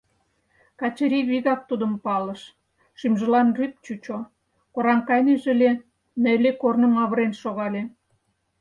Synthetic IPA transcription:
kɑt͡ɕəɾʲiβiɣɑk̚t̪ud̪ə̆mpɑlə̆ʃ | ʃymʒə̆lɑnryp̚t͡ɕut͡ɕo | koɾɑŋkɑjneʒĕlʲe | nelʲekornə̆mɑβəɾenʃoɣɑlʲe

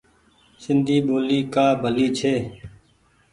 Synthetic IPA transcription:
sɪnd̪ʱiːɓoːliːkaːbʱəliːt͡ʃʰeː

